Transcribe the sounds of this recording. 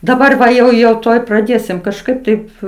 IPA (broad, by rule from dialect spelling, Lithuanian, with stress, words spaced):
dɐˈbɐr ʋɐ jɛʊ jɛʊ ˈtuɔj prɐˈdʲeːsʲɪm kɐʃˈkɐɪp tɐɪp